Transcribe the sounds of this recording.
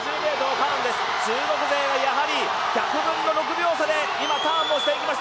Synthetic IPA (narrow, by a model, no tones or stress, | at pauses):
d͡ʑɨːk̪e̞ːd̪okãːnd̪e̞sɨ̥t͡ɕɨːɡo̞kɯ̟zeːβajaɦaɾʲi | kʲakɯ̟ɾɯ̃nːo̞ɾo̞k̬ɯ̟bʲjo̞ːsad̪e̞ | imat̪ãːmo̞ɕi̥t̪e̞ikʲimaɕi̥t̪